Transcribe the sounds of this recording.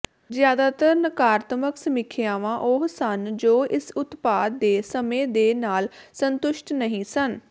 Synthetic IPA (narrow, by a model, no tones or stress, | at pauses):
zjaːd̪aːt̪əɾnəkaːɾt̪məksəmɪkʰejaːʋãːʔʊɦsənd͡ʒoːɪsʊt̪paːd̪ːeːsəmẽːd̪eːnaːlsənt̪ʊʃʈnəɦĩːsən